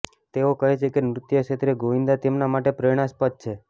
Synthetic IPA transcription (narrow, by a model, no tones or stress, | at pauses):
t̪eokəɦet͡ʃʰekemɾʊt̪jəʃet̪ɾeɡoʋind̪at̪emnamaʈepɾeɽ̃aspət̪̚t͡ʃʰe